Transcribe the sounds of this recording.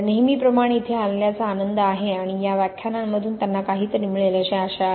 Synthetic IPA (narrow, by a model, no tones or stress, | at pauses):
neɦmiːpɾəmaɽ̃eːt̪ʰealljat͡saːnənd̪əaɦeaɽ̃ijaʋjakʰjanamːəd̪ʱuːnt̪janːakaɦiːt̪əɾiːmiɭeləɕeaɕa